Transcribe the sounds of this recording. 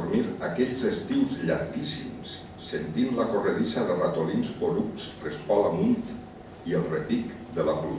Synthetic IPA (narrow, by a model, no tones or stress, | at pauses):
ɾmiɾakɛʎzəst̪iwzʎaɾkisimsː | ent̪inlakoreðisaðərat̪olinspoɾuk̚srespɔlamunt̪ | iəlˠrepik | d̪əlapul